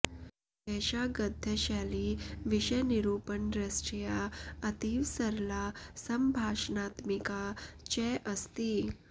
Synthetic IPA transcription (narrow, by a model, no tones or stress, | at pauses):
kɛɕaɡəd̪ʱːəɕaliːʋiɕəjniɾupənɾəsʈɾijaət̪iʋsəɾlasəmbʱaʂnat̪mikat͡ɕɛʔəst̪i